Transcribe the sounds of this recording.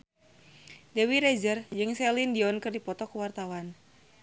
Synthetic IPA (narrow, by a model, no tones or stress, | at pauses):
dɛwiɾɛd͡ʒərd͡ʒɨŋsɛlindiɔnkɨrdipɔt̪ɔkuwart̪awan